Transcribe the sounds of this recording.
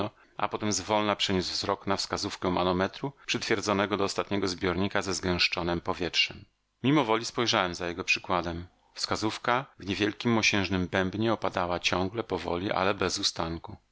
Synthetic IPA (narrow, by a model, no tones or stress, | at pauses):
ɔ | ʔa̰pɔt̪ɛmzvɔlnapʂɛɲuzvzɾɔknafskazufkɛwmanɔmɛt̪ɾupʂɘt̪fʲjɛɾd̪zɔnɛɡɔd̪ɔːst̪at̪ɲɛɡɔzbʲjɔɾɲikazɛzɡɛ̃w̃ʂt͡ʂɔnɛmpɔvʲjɛtʂɛmːʲ | imɔvɔlʲispɔjʐawɛmzajɛɡɔpʂɘ̥kwad̪ɛm | fskazufkavɲevʲjɛlkʲimːɔɕɛ̃ʐnɘmbɛmbɲɛɔpad̪awat͡ɕɔ̃ŋɡlɛpɔvɔ̰lʲiʔa̰lɛbɛzust̪aŋku